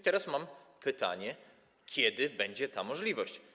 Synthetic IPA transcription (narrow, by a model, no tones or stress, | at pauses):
t̪ɛɾasmampʰɘt̪a̰ɲɛ | kʲʰjɛd̪ɘbɛɲd͡ʑɛt̪amɔʐlʲivɔɕt͡ɕ